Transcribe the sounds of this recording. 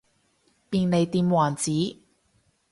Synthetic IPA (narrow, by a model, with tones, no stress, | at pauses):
piː˧nne˨˧jt̪iː˧mwaː˨˩nt͡siː˨˥